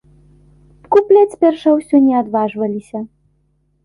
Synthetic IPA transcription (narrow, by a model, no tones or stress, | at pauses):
kuplʲat͡sʲpʲɛrʂɐwsʲɔnʲɛad̪vaʐvɐlʲisʲɐ